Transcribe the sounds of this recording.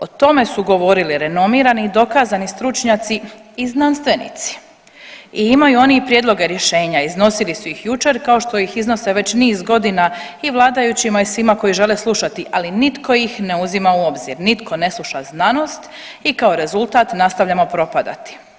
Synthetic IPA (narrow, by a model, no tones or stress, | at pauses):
ot̪o̞me̞suɡo̞ʋo̞ɾiliɾe̞no̞miːɾanid̪o̞kaːzanist̪ɾut͡ʃɲat̪si | iznanst̪ʋe̞nḭt̪si̥ | iimajuo̞nipɾjed̪lˠo̞ɡe̞ɾje̞ʃe̞ːɲaizno̞silisuixjut͡ʃe̞ɾkao̞ʃt̪o̞ixizno̞se̞ʋe̞t͡ɕniːzɡo̞d̪inaiʋlˠaːd̪ajut͡ɕimaisʋimako̞jiʒe̞leslˠuʃat̪iʔalinit̪ko̞jixne̞uzimauo̞bzḭɾnit̪kʰo̞ne̞slˠuʃa̰znano̞st̪ | ikao̞ɾe̞zulˠt̪aːt̪nast̪aʋʎamo̞pɾo̞pad̪a̰t̪i̥